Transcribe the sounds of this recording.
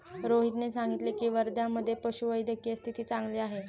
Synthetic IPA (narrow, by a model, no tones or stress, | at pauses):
ɾoɦit̪nesaŋɡit̪lekiːʋəɾd̪jaməd̪ʱːjepəɕuʋəjd̪ʱəkjest̪ʰit̪iːt͡sãŋɡliːaɦe